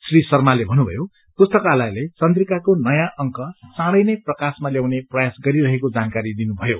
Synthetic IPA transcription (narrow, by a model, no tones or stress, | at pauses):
srisʌrmalebʱʌnubʱʌ̰jo | t̪ost̪ʌkalajlet͡sʌnt̪rikakonʌjãʔʌŋkʌt͡sãɽʌjnʌjprʌkasmaljawneprʌjasɡʌɾiɾʌɦekod͡zankaɾid̪inubʱʌjo